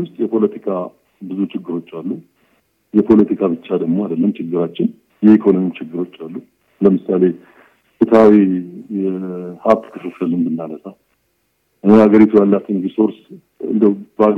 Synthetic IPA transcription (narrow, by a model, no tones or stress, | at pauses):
wʊst̪ʼjɛpʰo̞lət̪ʰikʰa | bɨzut͡ʃɪɡːɨɾo̞t͡ʃːalːu | jɛpʰo̞lət̪ʰikʰaβɨt͡ʃːad̪əɡmo̞ad̪əlːəmt͡ʃʰɪɡːɨɾat͡ʃːɪn | jɛikʰo̞nomjit͡ʃʰɪɡːɨɾo̞t͡ʃːalːu | ləmɨsale̞ | sɛt̪ʰəawiɛhat̪ːkʰɨfɨfɨlɨnbɨnːaləsa | ɨaɡəɾit̪ʰujalːat̪ɨŋɡiso̞ɾs | ɨ̰nd̪əbəa